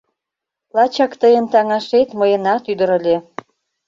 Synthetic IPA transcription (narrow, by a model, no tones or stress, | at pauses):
lˠɑt͡ɕɑkt̪əjə̆nt̪ɑŋɑʃet̪məjə̆nɑt̪yd̪ə̆ɾə̆lʲe